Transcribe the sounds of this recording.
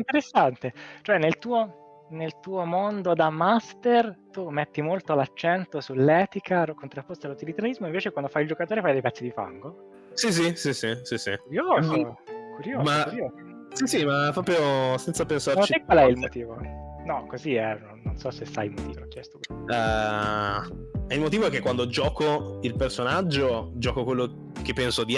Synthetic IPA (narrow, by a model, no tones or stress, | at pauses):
int̪eɾesːant̪et͡ʃoɛnːelt̪uːo | nelt̪uːomond̪od̪amast̪ert̪umet̪ːimolt̪olat͡ʃːɛnt̪osulːɛːt̪ikaɾokːont̪ɾapːost̪alut̪ilit̪eɾaɾizmoiɱveːt͡ʃekwand̪ofajild͡ʒokat̪oːɾefajd̪ejpɛt̪sːid̪ifa̰ŋɡo | sis̬isisisisiuɾjoːzokuɾjoːmaɾjoːzo | sisimapːɾɔːpɾjosɛnt̪sapensart͡ʃiɛkːwalɛilmot̪iːvonɔkːoziɛnonːonsɔsesa̰jmot̪iːvoɔk̟ːjɛst̪o̥ɛ | ɛilmot̪iːvoɛkekwand̪od͡ʒɔːkoilpersonad͡ʒːod͡ʒɔːkokwelːo | kepːɛnsod̪i